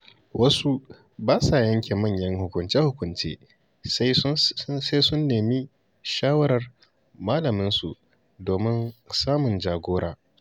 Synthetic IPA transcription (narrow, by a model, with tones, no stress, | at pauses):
wʔɐ˦su˦ | baː˦sa˨jɐ˦ŋkʲeː˨mɐ˦˨ɲjɐ˦ŋhʊ˨kʷʊ˨nt͡ʃeː˦hʊ˨kʷʊ˨nt͡ʃḛː˦ | s | sa˦jsʊ˦nːeː˨mi˦ | ʃaː˦wɐ˦ɾɐ˨r | maː˦lɐ˨mɪ˦nsṵ˨ | doː˨mɪ˦nsaː˦mʊ˨nd͡ʒaː˨ɡʷoː˦ɽaː˨